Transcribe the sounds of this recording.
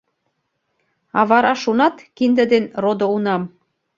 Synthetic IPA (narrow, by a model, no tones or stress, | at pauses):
ɑβɑɾɑʃunɑt̪kind̪əd̪enrod̪ounɑm